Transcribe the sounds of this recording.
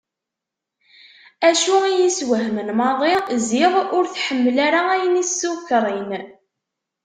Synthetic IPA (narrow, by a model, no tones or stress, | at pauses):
æʃuijiswəɦmənmɑðˤezɪʁʊɾθħəmːəlaɾaæjənisːukɾˤin